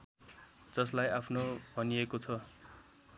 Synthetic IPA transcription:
d͡zʌslajapʰnobʱʌniekot͡sʰʌ

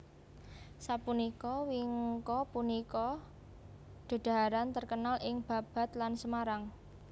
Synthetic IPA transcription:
sapunikɔwiŋkɔpunikɔ | ɖ̪̥a̤d̪̥a̤ɦaɾant̪ərkənalʔɪŋb̥a̤b̥a̤t̪lansəmaɾaŋ

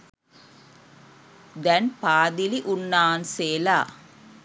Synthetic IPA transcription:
d̪ɐnpaːðɪliʔʊnːaːnseːlaː

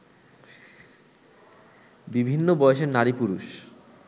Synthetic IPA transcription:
bibʱinːobɔjeʃeɾnaɾipuɾuʃ

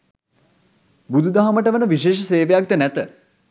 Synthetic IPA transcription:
bud̪ʱud̪aɦaməʈəʋənəʋiʃeːʃəseːʋejak̚d̪ənæt̪ə

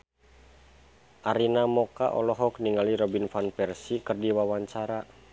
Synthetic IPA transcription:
ʔaɾinamɔka̰ʔɔ̰lɔɦɔk̚niŋaliɾɔbinfanpɛrsikɨrdiwawaɲt͡ʃaɾa

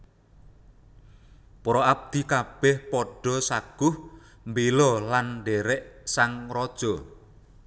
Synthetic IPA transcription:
pɔɾɔab̚d̪̥i̤kab̥ɛhpɔɖ̥ɔ̤saɡ̥ʊh | mbelɔlanɖɛɾɛʔsaŋrɔd̥ʒ̥ɔ

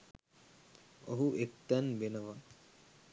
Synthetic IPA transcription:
oɦuʔek̪t̪ænbenəʋa

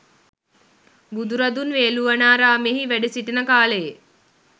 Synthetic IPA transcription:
bud̪uɾɐd̪unʋeːluʋɐnaːɾaːmeɦiʋæɖesiʈinəkaːləje

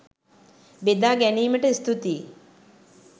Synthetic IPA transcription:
bed̪aːɡæniːməʈəist̪ut̪iː

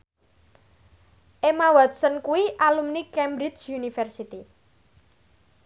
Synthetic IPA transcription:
ʔemawɔd̪sənkuwiʔalumnikɛmbɾit͡ʃjunifɛrsit̪i

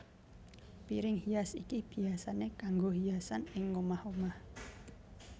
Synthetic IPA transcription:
piɾɪŋhiasikib̥i̤asanekaŋɡoɦiasanɪŋomahomah

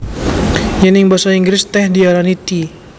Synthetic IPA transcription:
janɪŋbasaiŋɡɾɪst̪ɛhdialanit̪i

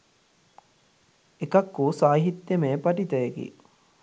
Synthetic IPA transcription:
ekɐkːuːsaːɦit̪ːjemeːpɐʈit̪ɐjeɡḭ

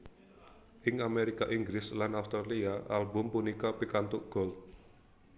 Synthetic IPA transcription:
ʔɪŋameɾikaʔiŋɡɾɪslanawst̪ɾaliaʔalbʊmpunikapikant̪ʊʔɡ̥ɔlt̪

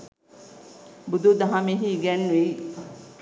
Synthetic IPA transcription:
bud̪ud̪aɦameɦiɡɛnʋej

